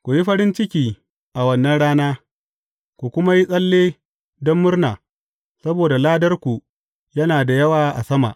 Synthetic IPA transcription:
kʷu˨ji˦ɸɐ˦ɾɪ˦nt͡ʃɪ˦kʲiː˦ | ʔa˨wɐ˦nːɐ˦nɽaː˦naː˦ | kʷu˨kʷʊ˦ma˦ji˦sʼɐ˦lːeː˦ | dɔ˦mːʊ˦rnaː˨ | sɐ˦boː˨da˨laː˦dɐ˦rkʷu˨ | jɐ˦naː˨da˨jɐ˦waː˨ʔa̰˨sɐ˦ma̰˨ʔ

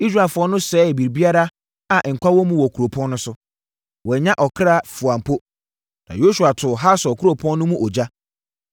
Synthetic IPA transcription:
i˦s̬ɾa˨lfʊ˨˦ɔ˦nʊ̃˦sɛː˨˦˨bi˨bi˦a˦ɾa˦ | a˨ʔŋ̩˨kʷʰa˦wɔ˦mũ˦wɔ˨kʰu˨ɾo˨pʰɔ̃˦nː˦ʊ̃˦sʊ˦ | wɔ˨ɲã˦ʔɔ˨kʰɾa˦fu˨ã˨m˨pʰo˦ | nã̰˨jo˦su˨a˨tʰʊ˨ɦa˦sɔ˨kʰu˦ɾo˨pʰɔ̃˦nː˦ʊ̃˦mũ˦ʔɔ˨d͡ʑa˦

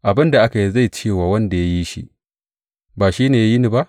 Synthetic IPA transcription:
ʔa˨bɪ˦nda˨ʔa˦ka˨ji˦za˦˨jt͡ʃeː˦˨waː˨wɐ˦nda˨ja˦ji˦ʃḭ˦ | baː˨ʃiː˦neː˨ja˦ji˦ni˨ba˦ʔ

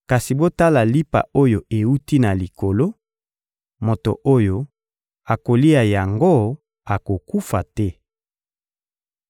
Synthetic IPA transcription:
ka˨si˨bo˦ta˦la˨li˦pa̰˨o˦jo˨e˨u˦ti˦na˨li˨ko˨lo˦ | mo˨to˨ʔo˦jo˦ | a˨ko˨li˦a˨ja˨ŋɡo˦ | a˨ko˨ku˦fa˨tɛ˦

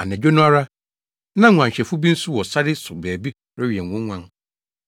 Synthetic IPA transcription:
a˨nɛ̃˨d͡ʑᶣo˦nʊ̃˦a˦ɾa˦ | nã˦˨ã˨ɲ˨ɕᶣɛ˨fʊ˦bi˦n̩˦sʊ˦wɔ˨sa˦dɪ˦sʊ˨bæː˨bi˦ | ɾɪ˦ɥi˨ɛ˨ŋ˨ʊ̃˦ŋʷã˦ŋ

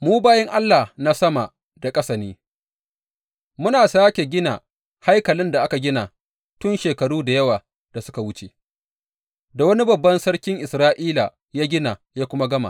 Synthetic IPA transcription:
muː˦baː˦jɛ˦ŋʔa˦lːa˨hna˦sɐ˦ma˨ | da˨kʼɐ˦sɐ˨niː˦ | mʊ˦naː˨saː˦kʲe˨ɡʲɪ˦na˨ | ha˦jkɐ˨lɪ˦nda˨ʔa˦ka˨ɡʲɪ˦na˨ | tʊ˦nʃeː˨kɐ˨ɽuː˦da˨jɐ˦waː˨ | d̥a˨sʊ˦ka˨wʊ˦t͡ʃe˨ | da˨wɐ˦ni˦bɐ˨bːɐ˦nsɐ˦ɽkʲɪ˦ŋʔɪ˨sɾaː˦ʔiː˦la̰˨ | jaː˦ɡʲɪ˦na˨jaː˦kʷʊ˦ma˦ɡɐ˦ma̰˨

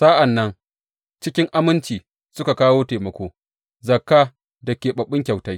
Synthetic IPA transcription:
saː˦ʔa˨nːɐ˦ŋ | t͡ʃɪ˦kʲɪ˦ŋʔa˦mɪ˦nt͡ʃiː˨ | sʊ˦ka˨kaː˦woː˦teː˨mɐ˨kʷoː˦ | zɐ˨kːaː˦ | dɐ˨kʲeː˨ɓɐ˨ɓːɪ˦ŋkʲa˨wta˦j

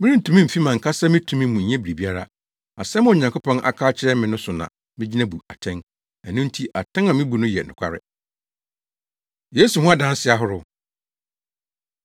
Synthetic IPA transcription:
mɪ̃˦ɾĩ˦n̩˨tʰũ˨˦mĩ˦m̩˨fi˦mã˨ŋ̩˨kʰa˦sa˦mɪ̃˦tʰũ˦mĩ˦mũ˨ɲɛ̃˦bi˨ɾi˨bi˦a˦ɾa̰˦ | a˨sɛ˦m̃˦o˨ɲã˨ŋkʰʊ˦pʰɔ̃˦nʔa̰˨kʰaː˦t͡ɕʰɪ˦ɾɛ˦mɪ̃˨nʊ̃˦sʊ˨nã̰˨ | mɪ̃˦d͡ʑi˦nã˦bu˨a˨tʰɛ̃˦n | æ˨nʊ̃˦n˦tʰi˦ʔa˨tʰɛ̃˦ŋã˨mɪ̃˦bu˨nʊ̃˦jɛ̰˨nʊ̰̃˨kʷʰa̰˦ɾɪ̰˦ | je˦su˨hʊ̃˦a˦dã˦n˦sɪ˦a˦ɦʊ˦ɾʊ˦

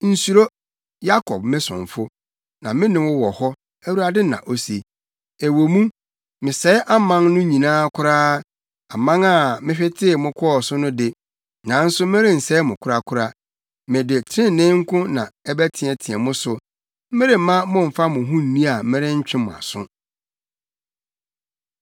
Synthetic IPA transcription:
n̩˨su˨ɾo˦ | ja˦kʰɔ˨b̚mɪ̃˦sʊ̰̃˨ɱ˨fʊ˦ | nã˨mɪ̃˦nɪ̃˨wʊ˦wɔ˨hɔ˦ | æ˦wu˦ɾa˨dɪ˦nã̰˨ʔo˦se˨ | e˨wo˨mũ˦ | mɪ̃˨sɛ˨˦ʔa˦mã˦ŋnʊ̃˦ɲĩ˨nãː˦kʰʊ˦ɾaː˦ | a˨mã˦ŋa˨mɪ̃˦ɕᶣɪ˦tʰɪ˦˨mʊ̃˦kʰɔ˦ɔ˦˨sʊ˦nʊ̃˦dɪ˦ | nã˨n̩˦sʊ˦mɪ̃˦ɾɪ̃˦n̩˨sɛ˨˦mʊ̃˨kʰʊ˦ɾa˦kʰʊ˦ɾa˦ | mɪ̃˨dɪ˨tʰɾɪ̃˦˨nɪ̃˦ŋ̩˦kʰʊ̃˦nã̰˨ɛ˦bæ˦tʰɪ̃˨ɛ˨tʰɪ̃˨ɛ˨mʊ̃˦sʊ˨ | m̩˦ɪ˦ɾɪ˦m̩˨˦mã˦mʊ̃˦˨m̩˨fa˦mʊ̃˨ɦũ˦n̩˨nĩ˦a˨m̩˦mɪ̃˦ɾɪ̃˦ɲ̩˦t͡ɕᶣɪ̃˦mʊ̰̃˨a̰˨sʊ̰̃˦

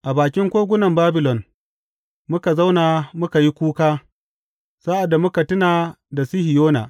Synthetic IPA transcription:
ʔa˨baː˨kʲɪ˦ŋkʷoː˦ɡʷʊ˦nɐ˨mbaː˦bɪ˨lɔ˨n | mʊ˦ka˨za˦wna˨mʊ˦ka˨ji˦kʷuː˦kaː˦ | sa˦ʔa˨dːa˨mʊ˦ka˨tɪ˦naː˨ | da˨si˦hɪ˨joː˦na̰˨

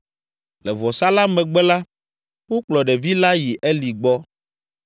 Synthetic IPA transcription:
lɛ˨vɔ˨sa˦la˦mɛ̃˨ɡ͡bɛ˦la˦ | wo˦k͡plɔ˨ɖɛ˨vi˦la˦ji˨ʔɛ˦li˨ɡ͡bɔ˦

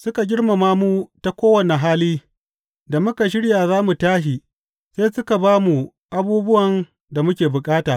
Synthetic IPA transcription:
sʊ˦ka˨ɡʲɪ˦ɽma˨maː˦muː˦ta˦kʷoː˦wɐ˨ne˨ɦaː˦liː˦ | da˨mʊ˦ka˨ʃ̬ɪ˦ɽjaː˨zaː˦mu˨taː˦ʃi˨ | seː˦sʊ˦ka˨baː˦mu˨ | ʔa˦buː˦bʊ˦wɐ˨n | da˨mʊ˦kʲeː˨bʊ˨kʼaː˦taː˨ʔ

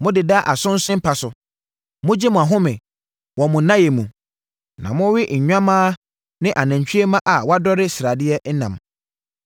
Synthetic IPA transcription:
mʊ̃˦dɪ˨da˦ʔa˨sʊ̃˦n̩˦sʊ̃˦m̩˦pʰa˨sʊ˨ | mʊ̃˦d͡ʑi˦mʊ̃˨a˨ɦʊ̃˦mɪ̃˨ | wɔ˨mʊ̃˨˦nã˦je˨mũ˨ | nã̰˨mʊ̃˦wɪ˦ɲ̩˨ɲᶣã˦mãː˦ | nɪ̃˦ʔa˨nã˨ɲ˨t͡ɕᶣɥe˦mã˦ʔa˨wa˦dɔ˦ɾɪ˦sɪ˨ɾa˨dɪ˦ɛ˦n̩˦nã̰˨m

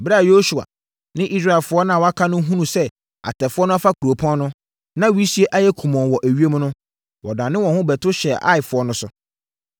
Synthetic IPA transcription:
bɾa˦˨jo˦su˨a̰˨ | nɪ̃˦ʔi˦sɾa˦˨ɛ˨lfʊ˦ɔ˦nã˦˨wɔ˦a˦kʰa˦nʊ̃˦ɦũ˦nũ˨sɛ˦ | a̰˨tʰɛ˨fʊ˦ɔ˦nʊ̃˦a˦fa˦kʰu˨ɾo˨pʰɔ̃˦n˦nʊ̃˦ | nã˦wi˦si˦e˦ʔa˦jɛ˦kʰũ˨mɔ̃˨n˨wɔ˨ʔæ˨ɥi˦e˦m̃˦nʊ̃˦ | wɔ˨dã˨nːɪ̃˦wɔ̃˨hʊ̃˦bɛ˨tʰʊ˦ɕɛ˨ʔa̰˦ɪ˨fʊ˨˦ɔ˦nʊ̃˦sʊ˦

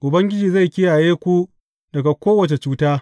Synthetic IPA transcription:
ʔʊ˨bɐ˦ŋɡʲɪ˦d͡ʒiː˨za˦˨jkʲɪ˦ja˨jeː˦kʷu˦ | dɐ˨ɡa˨kʷoː˦wɐ˨t͡ʃe˨t͡ʃuː˦taː˦

